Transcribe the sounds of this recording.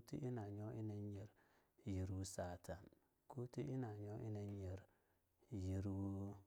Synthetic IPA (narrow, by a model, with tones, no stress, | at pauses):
tḭ˦ʔi˦na˨ɲo˦i˦ne˦ɲ˦e˨ɾ | ji˨ɾu˦sa˨tʰa˨n | ku˦ti˦ʔi˦na˨ɲo˦ʔḭ˦ne˦ɲ˦e˨ɾ | ji˨ɾu˦